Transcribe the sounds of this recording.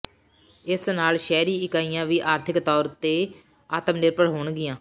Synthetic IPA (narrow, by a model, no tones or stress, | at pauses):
ɪsnaːlʃɛːɾiːɪkaːijãːʋiːʔaːɾt̪ʰɪkt̪ɔːɾt̪eː | aːt̪əmnɪɾpəɽɦoːɳɡɪjãː